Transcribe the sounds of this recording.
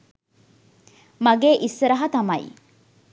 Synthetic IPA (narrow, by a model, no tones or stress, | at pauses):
mɐɡeːʔisːɐɾɐɦɐt̪ɐmɐḭ